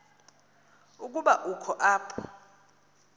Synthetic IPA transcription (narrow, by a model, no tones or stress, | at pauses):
uk̬ʼuɓaʔukʰɔʔaːpʰɔ̥